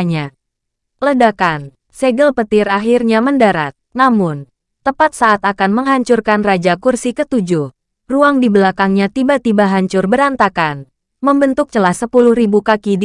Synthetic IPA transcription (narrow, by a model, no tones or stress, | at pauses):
ɲa | lədakan | seɡəlpət̪ɪraɦirɲaməndaɾa̰t̪̚namʊn | t̪əpat̪̚saʔat̪akanməŋɦaɲt͡ʃurkanrad͡ʒakursikət̪ud͡ʒʊh | ruaŋdibəlakaŋɲat̪ibat̪ibaɦaɲt͡ʃʊrbəɾant̪akan | məmbənt̪ʊk̚t͡ʃəlahsəpulʊhɾibukakid